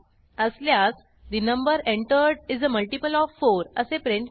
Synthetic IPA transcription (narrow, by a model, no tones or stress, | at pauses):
əsljas | d̪inə̃mbəɾẽɳʈəɾɖizəməlʈipəlɔʋfːoɾəsepɾẽɳʈ